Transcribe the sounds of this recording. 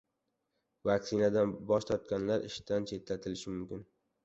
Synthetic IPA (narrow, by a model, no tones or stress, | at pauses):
vaksɪnad̪anbɒʃt̪ʰɒɾt̪̚kʲanlaɾɪʃd̪ant͡ʃʰe̞t̪lat̪ʰɪlɪʃɪmʊmkʲɪn